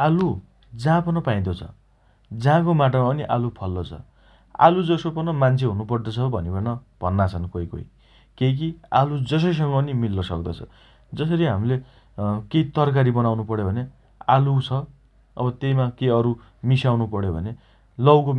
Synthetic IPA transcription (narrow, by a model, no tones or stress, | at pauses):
alu | d͡zãpʌnʌpaĩd̪ot͡sʰʌ̰ | d͡zãkomaʈ̬ʌmaʌniʔalupʰʌlːot͡sʰʌ̰ | a̰lud͡zʌsopʌnʌmant͡sʰeɦunupʌrd̪ot͡sʰʌbʱʌneʌnʌb̥ʱʌnːat͡sʰʌnkojko̰j | kejk̬ialud͡zʌs̬ʌjs̬ʌŋɡʌʌnimilːʌsʌk̚d̪ʌt͡sʰʌ̰ | d͡zʌs̬ʌɾiɦamile | keit̪ʌrk̬aɾibʌnawnupʌɽobʱʌne | alut͡sʰʌ | ʌbʌt̪ejmakeʌɾu | misawnupʌɽjobʱʌne | lʌwko